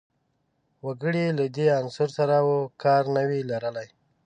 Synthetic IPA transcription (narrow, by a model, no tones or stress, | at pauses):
waɡəɽilad̪eansʊɾsaɾawokɑɾnəwilaɾəlaj